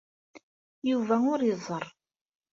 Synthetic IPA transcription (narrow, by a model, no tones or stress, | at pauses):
juvæʊɾjəzˤːəɾˤ